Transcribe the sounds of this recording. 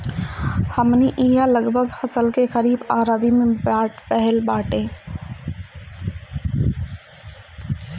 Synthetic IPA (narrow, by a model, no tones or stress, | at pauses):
həmniʔiːjaləɡbʱəɡhəsəlkexəɾiːbaːɾaːbimẽbaːʈpɛɦɛlbaːʈeː